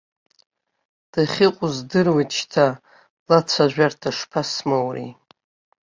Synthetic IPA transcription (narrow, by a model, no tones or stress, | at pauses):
d̥aχʲɪqʷʼʊzdɨrwit͡ʃʰtʰa | lat͡sʷʰaʒʷᶣartʰaʂpʰasmowrḭ